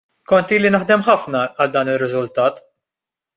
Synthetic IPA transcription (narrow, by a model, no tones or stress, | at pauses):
kɔnt̪iːlinɐħd̪ɛmħɐfnɐɐld̪ɐːnɪrːɪzʊlt̪ɐːt̪